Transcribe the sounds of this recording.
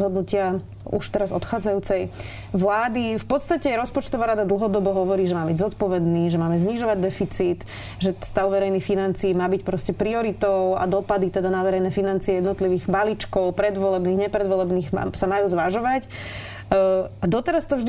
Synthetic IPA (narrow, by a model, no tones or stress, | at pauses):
ɦɔd̪nucɪa | ṵʃt̪ɛɾazɔ̰t̪xaːd͡zajuːt͡sɛj | ʋlaːd̪ifpɔt̪st̪acɛɾɔspɔt͡ʃt̪ɔʋaːɾad̪ad̪l̩ɦɔd̪ɔbɔɦɔʋɔɾiːʒɛmaːbiɟzɔt̪pɔʋɛd̪niːʒɛmaːmɛzɲiʒɔʋaɟd̪ɛfit͡siːt̪ | ʒɛst̪aʊʋɛɾɛjnixfinant͡siːmaːbicpɾɔscɛpɾiɔɾit̪ɔʊa̰d̪ɔpad̪it̪ɛd̪anaʋɛɾɛjnɛfinant͡siɛjɛd̪nɔt̪liʋiːɣbalit͡ʃkɔʊpɾɛd̪ʋɔlɛbniːɣɲɛpɾɛd̪ʋɔlɛbniːɣ̰samajuːzʋaʒɔʋac | ad̪ɔt̪ɛɾast̪ɔvʒd̪